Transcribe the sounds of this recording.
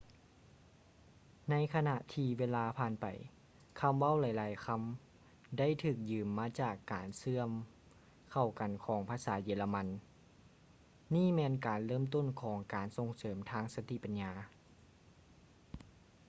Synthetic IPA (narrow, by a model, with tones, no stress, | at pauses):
na˧˥jkʰa˧na˧ʔt̪ʰiː˧ʋeː˧˥laː˧pʰaː˧˥npa̰˨˩j | kʰa˧˥mʋa˥˨wla˨˧˦jlaː˨˦jkʰa˧˥m | da˥˨jt̪ʰɯː˧˩k̚jɯː˨˩mːaː˧˥t͡ɕaː˨˩kːaː˨˩nsɯ˧˥əm | kʰa˨˩wka˨˩nkʰɔː˩˦ŋpʰaː˧˥saː˩˦jeː˧˦la˧ma˧n | iː˥˩˨mɛː˧nkaː˨˩nlɤː˥˨mt̪o˥˨nkʰɔː˩˦ŋkaː˨˩nso˧˩ŋsɤː˩˦mt̪ʰaː˧˥ŋsa˧t̪i˧˨pa˨nɲaː˧